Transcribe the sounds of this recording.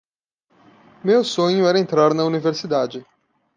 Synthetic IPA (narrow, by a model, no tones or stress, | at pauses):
mewsõɲʊɛɾɐẽnt̪ɾaɾnɐuniveɾsid̪ad͡ʒɪ